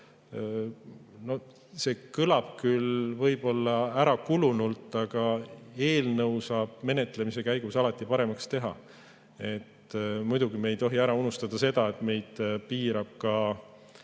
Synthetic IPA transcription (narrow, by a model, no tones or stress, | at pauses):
no̞ | se̞ːkɯlɑb̥̚kylvɤjb̥o̞lːɑæɾɑkulunult̪ːˑɑɡ̥ɑe̞ːlnɤwsɑːb̥̚me̞ne̞t̪ːˑle̞mise̞kæjɡ̥usɑlɑt̪ːˑipɑɾe̞mɑkst̪e̞ɦɑ̰ | e̞t̪ːmujd̪̥uɡimejt̪o̞ɦiæɾɑunust̪ɑd̪̥ɑse̞d̪̥ɑe̞t̪me̞jd̪̥piːɾɑb̥̚kɑ